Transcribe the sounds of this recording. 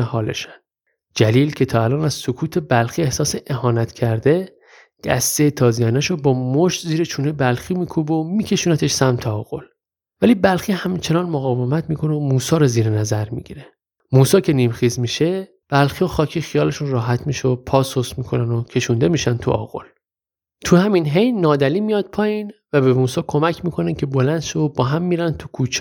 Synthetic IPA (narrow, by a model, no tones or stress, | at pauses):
ehɒːle̞̰ʃæn | d͡ʒæliːlcʰe̞t̪ʰɒːælɒːnæz̥sokʰuːt̪ʰe̞bælxiːe̞hsɒːseʔeɦɒːnæt̪ʰcʰæɾd̪e̞ | d̪̥æ̰st̪ejet̪ʰɒːzijænæʃobɒːmoʃt̪ziːɾet͡ʃʰuːnebælxiːmiːkʰubomiːcʰe̞ʃuːnæt̪ʰe̞ʃsæmt̪ʰeɒːɣ̥o̞l | væliːbælxiːhæmt͡ʃʰe̞nɒːnmoɣɒːvemæt̪ʰmiːkʰo̞neomuːsɒːɾɒziːɾenæzæɾmḭɟḭɾe | muːsɒːcʰe̞niːmxiːzmiʃe | b̥ælxioxɒːcʰiːxijɒːle̞ʃunrɒːɦæt̪ʰmiʃeopʰɒːsosmiːkʰo̞nænocʰe̞ʃuːnd̪e̞miːʃænt̪ʰṵɒ̰ːɣo̞̰l | t̪ʰuhæminɦe̞jnɒːd̪æliːmijɒːd̪̚pʰɒːjinvæbemuːsɒːkʰo̞mæcʰmiːkʰo̞næcʰe̞bolænd̪ʃobɒːɦæmːiːɾænd̪t̪ʰukʰuːt͡ʃʰː